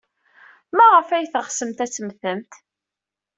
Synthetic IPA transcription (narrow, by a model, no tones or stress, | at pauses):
mæʁəfæjθəχsəmt̪æt͡sːəmθəmt̪